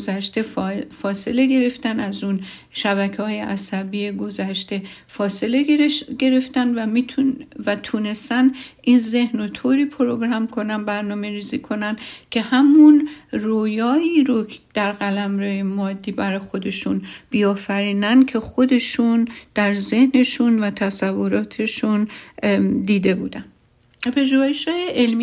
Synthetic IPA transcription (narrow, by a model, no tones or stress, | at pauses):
zæʃt̪efɒːse̞le̞ɡe̞ɾe̞ft̪ænæzun | ʃæbækʰehɒːjeʔæsæbiːjeɡo̞zæʃt̪e̞fɒːse̞leeɡe̞ɾe̞ft̪ænd̪væmit̪ʰvæt̪ʰuːne̞st̪æninze̞hnot̪ʰoːɾiːpʰoɾo̞ɡɾɑmkʰo̞nænbæɾnɒːme̞ɾiːziːkʰo̞næncʲʰe̞hæmunroːjɒːiːɾod̪̥æɾɢælæmɾejemɒːd̪ːiːbæɾɒjxo̞d̪e̞ʃunb̥iːɒːfæɾiːnænd̪̚cʰe̞xo̞d̪e̞ʃund̪̥æɾze̞hne̞ʃunvæt̪ʰæsævːo̞ɾɒːt̪ʰe̞ʃun | d̪iːd̪e̞bṵːd̪æn | pʰe̞ʒuːheʃhɒːjeʔelm